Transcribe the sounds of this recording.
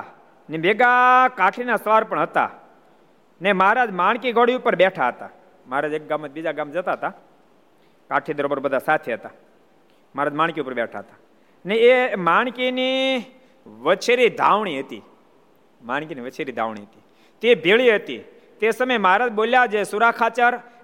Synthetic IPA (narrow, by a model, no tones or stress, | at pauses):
nebeɡakaʈʰinasəʋaɾpəɳɦət̪a̰ | nemaɾad͡ʒmaɳ̃kiɡʱoɽiʊpəɾbɛʈʰaɦət̪a̰ | maɦaɾad͡ʒek̚ɡamːəbid͡ʒaɡamd͡ʒət̪aɦət̪a | kaʈʰid̪əɾobəɾbəd̪ʱasat̪ʰeɦət̪a | məaɦaɾad͡ʒmaɽ̃kiupəɾbɛʈʰaɦət̪a | neemaɳ̃kini | ʋət͡ʃʰeɾid̪ʱaʋɳiɦət̪ḭ | maɳkiniʋət͡ʃʰeɾid̪ʱa̰ʋɳ̃ḭɦət̪i | t̪ebʱeɭiɦət̪ḭ | t̪esəməjməɦaɾad͡ʒboljad͡ʒesʊɾakʰat͡ʃəɾ